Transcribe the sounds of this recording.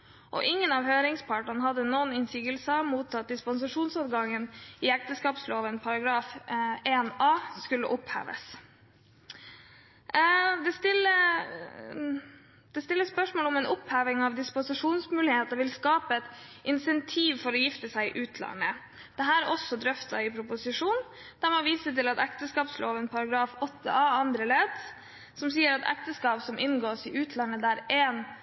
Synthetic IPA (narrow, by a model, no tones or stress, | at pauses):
ʔɔ̰ʔɪŋːənɑʋhøːɾɪŋspʰɑːʈəɳəhɑd̪ːənoːnɪnsiːɡəlsəɑmuːt̪ːɑt̪̚d̪ɪspɔns̬ɑʂuːnsɑʋɡɑŋːənɪɛk̚t̪əskɑːpsloːʋənpʰɑɾɑɡɾɑːfeːnɑːskʉlːəʔʊphæ̰ːʋə̰s | d̪ɛst̪ɪlə | d̪̥ɛst̪ɪlːəspœʂmoːlɔmɛːnʔʊphæːʋɪŋɑʋd̪ɪspʊsɪʂuːnsmʉːlɪheːt̪ɑʋɪlskɑːpəɛt̪ʔɪnsɛnt̪ʰiːʋfɔɾɔjɪft̪əsæɪɪʔʉːt̪ʰlɑ̰nə | d̪̥ɛɦæːɾɔsːɔd̪ɾœft̪ɑ̰ɪpʰɾʊpʊsɪʂuːn | d̪̥æɾmoʋiːsət̪ɪlɑt̪ækt̪əskɑːpsloːʋənpʰɑɾɑɡɾɑːfɔt̪ʰːə̰ʔɑːɑnd̪ɾəleːd̪ | sɔmsiːəɾɑt̪æ̰kt̪əskɑːpsɔmʔɪnɡoːsɪʔʉːt̪ʰlɑnːəd̪æɾeːn